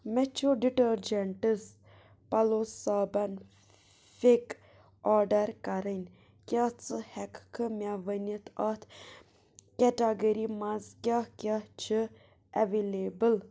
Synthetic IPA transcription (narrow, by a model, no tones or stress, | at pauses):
mɛt͡ʃʰoɖiʈəɾd͡ʒeɳʈɨs | pɐlossaːbɐn | fek | aːɾɖɐɾkɐɾənʲ | kʲat͡sɨhɛkkʰɨmʲaʋənət̪ʰat̪ʰ | kɛʈaɡəɾimãzkʲakʲat͡ʃʰɨ | ɛʋeːleːbəl